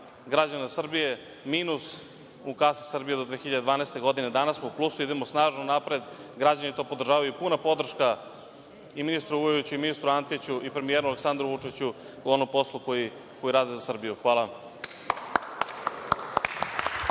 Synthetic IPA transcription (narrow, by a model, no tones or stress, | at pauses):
ɡɾad͡ʑanazsr̩bije̞ | miːnus | ukasi̥sr̩bije̞d̪o̞d̪ʋeːxiʎad̪ed̪vaːneːst̪e̞ɡo̞d̪ine̞d̪anasmouplˠusuid̪e̞mosnaːʒnonapɾe̞d̪ɡɾad͡ʑanit̪o̞ːpod̪r̩ʒaːʋajupunapo̞d̪r̩ʃka | iminist̪ɾuujut͡ɕuiminist̪ɾuant̪it͡ɕuʔipɾe̞mijeːɾualeksand̪ɾuʋut͡ʂit͡ɕu | uonompo̞slˠukoi | ko̞jiɾaːd̪ezasr̩bijuxʋaːlˠa